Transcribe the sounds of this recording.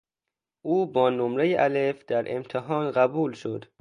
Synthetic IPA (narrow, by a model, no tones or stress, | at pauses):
ʔuːbɒːnomɾejeʔælefd̪æɾʔḛmt̪ʰeɦɒːnɢæbuːlʃod̪̥